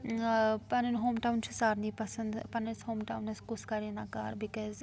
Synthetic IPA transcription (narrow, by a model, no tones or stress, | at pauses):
pɐnənɦoːmʈawnt͡ʃʰusaɾnipɐsɐ̃nd̪pɐnənshoːmʈawnɐskuskɐɾinaka̰ɾbikɔz